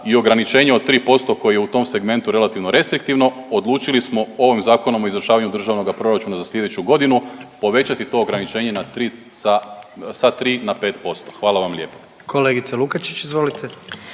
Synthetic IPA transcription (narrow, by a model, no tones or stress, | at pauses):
io̞ɡɾanit͡ʃe̞ːɲeot̪ːɾiːpo̞st̪o̞ko̞jejeut̪o̞mse̞ɡme̞nt̪uɾe̞lˠat̪iʋno̞ɾe̞st̪ɾikt̪iʋno̞ | od̪lˠuːt͡ʃilismo̞o̞ʋimzaːko̞no̞mo̞izʋɾ̩ʃaːʋaɲud̪r̩ʒaːʋno̞ɡapɾo̞ɾat͡ʃuːnazasʎʲe̞d̪e̞t͡ɕuɡo̞d̪inupo̞ʋe̞t͡ɕat̪it̪o̞oɡɾanit͡ʃe̞ːɲe̞nat̪ɾi | sasat̪ɾiːnapet̪po̞st̪o̞̥xʋaːlˠaʋamlʲe̞ːpo̥ | kʰoleɡit̪selukat͡ʃi̥t͡ʃizʋo̞lit̪ʰe